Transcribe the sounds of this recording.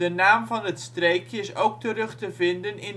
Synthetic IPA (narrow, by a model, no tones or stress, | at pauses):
dənaːmvɑnɦətstrejkjəɪsowk̚tərɵχtəvɪndənɪn